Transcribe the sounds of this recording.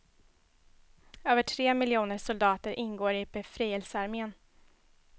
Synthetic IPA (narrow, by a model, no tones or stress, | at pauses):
øːvəʈʰɾeːmɪljuːnəʂʊld̪ɑːt̪əɾʔɪnɡoːɾɪbɛfɾiːhɛlsəaɾmeːən